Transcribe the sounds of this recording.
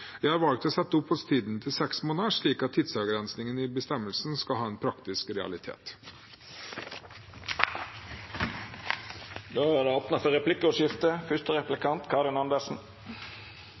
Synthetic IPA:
jæɪhɑɾʋɑlk̚t̪ɔsɛt̪ːəʊphʊst̪ʰiːd̪nt̪ʰɪlsɛksmoːnəʂɭiːkɑt̪ʰːɪd̪sɑɡɾɛnsnɪŋənɪbəst̪ɛmːəlsn̩skɑlɦɑːeːnpʰɾɑkt̪ɪskɾɛɑ̰lɪt̪ʰḛːt̪ | d̪oːæɾɛoːpnɑfɔʁɛplɪkːəɔʃɪft̪əfʏst̪əʁɛplɪkʰɑnt̪kʰɑːɾɪnɑnd̪əsn̩

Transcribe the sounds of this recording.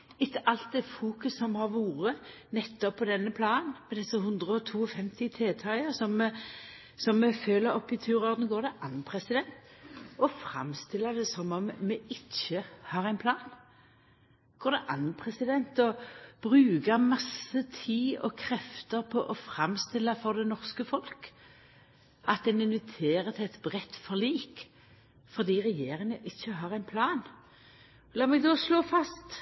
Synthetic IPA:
ɪtːəʔɑlt̪̚d̪ɛfuːkʉsɔmhɑʁʋuːɾənɛt̪ːɔpʰːɔd̪ɛnːəpʰlɑːnmɛd̪ɛsəɦʉnd̪ʁəɔt̪ʰuːɔfɛmt̪ɪt̪ʰeːt̪ʰɑɪəsɔmːɛ | sɔmːɛføːləɾɔpːɪt̪ʰʉːɾɔʁd̪n̩ɡoːd̪ɛʔɑnpʰʁɛsɪd̪ɛnt̪ɔfɾɑ̰mst̪ɪlːəd̪ɛsɔmɔmmɛɪçːəhɑːʁæɪnpʰlɑːn | ɡ̥oːʁd̪ɛʔɑnnpʰʁɛsɪd̪ɛnt̪ɔb̥ʁʉːɡəmɑsət̪ʰiːɔ̰kʰʁɛft̪əʁpʰɔʔɔfʁɑmst̪ɪlːəfɔʁd̪ɛnɔʁskəfɔlk | ʔɑt̪̚d̪ɛnɪnʋɪt̪ʰeːʁət̪ʰɪɛt̪bʁɛt̪ːfɔʁliːk | fɔʁd̪iːʁɛjeːʁɪŋəʔɪçːəɦɑːʁæɪnpʰlɑːn | lɑːmɛɡd̪oːsloːfɑst̪

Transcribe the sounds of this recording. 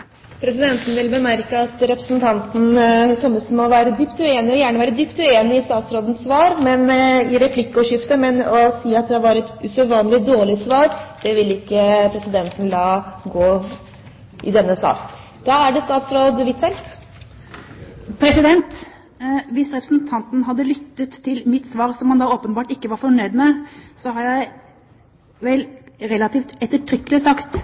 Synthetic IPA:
pʰɾɛsɪd̪ɛnt̪n̩ʋɪlbəmæɾkəɑt̪ɾɛpɾəsnt̪ʰɑnt̪n̩t̪ɔmːəsmɔʋæːɾəd̪ʏpt̪ʉeːnɪɔjæːɳəʋæːɾəd̪ʏpt̪ʉeːnɪɪst̪ɑːt̪sɾoːd̪ən̩sʋɑːɾmɛnɪɾɛpʰlɪkːəɔɕʏft̪əmɛnɔsiːɑt̪̚d̪ɛʋɑɾɛt̪ʉsəʋɑːnlɪd̪oːɭɪsʋɑːɾd̪̥ɛʋɪlːɪkːəpʰɾɛsɪd̪ɛnt̪ən̩lɑːɡoː | ʔɪ̰d̪ɛnːəsɑ̰ːk | d̪̥ɑːæɖɛst̪ɑːt̪sɾoːd̪ʋɪt̪ʰfɛlt̪ | pʰɾɛsɪd̪ɛnt̪ | ʋɪsɾɛpɾəsnt̪ʰɑnt̪n̩ɦɑd̪ːəlʏt̪ːət̪ʰːɪlmɪt̪sʋɑːɾsɔmhɑnd̪ɑːoːpənbɑːʈɪkːəʋɑɾfɔɳœd̪mɛsɔhɑɾjæɪ | ʋɛlɾɛlɑt̪iːft̪ɛt̪ːəʈʰɾʏkːəlɪsɑkt̪

